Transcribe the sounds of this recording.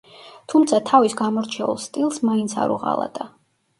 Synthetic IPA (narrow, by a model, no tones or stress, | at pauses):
t̪ʰumt̪sʰat̪ʰavisɡamɔɾt͡ʃʰɛṵlˠst̪ʼilˠsmaint̪sʰa̰ɾṵʁa̰lˠa̰d̪̥ʼa